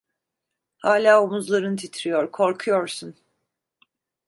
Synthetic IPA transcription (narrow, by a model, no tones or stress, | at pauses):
haːlʲaːomuzlˠaɾɯnɯt̪ʰit̪ʰɾijoɾkʰo̞ɾkʰujoɾsun